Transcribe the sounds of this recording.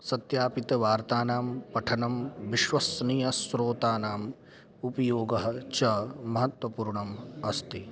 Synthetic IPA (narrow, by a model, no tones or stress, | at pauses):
sɐt̪jaːpit̪ɐʋaːɾt̪aːnaːmpɐʈʰɐnɐmʋiʃʋɐsnijɐsɾoːt̪aːnaːm | upɐjoːɡɐɦɐ̆t͡ʃɐmɐɦɐt̪wʋɐpuːɾɳɐmɐst̪i